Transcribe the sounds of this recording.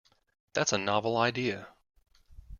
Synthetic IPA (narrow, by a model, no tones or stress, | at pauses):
ðætsənɑvl̩ˠaɪdiɨ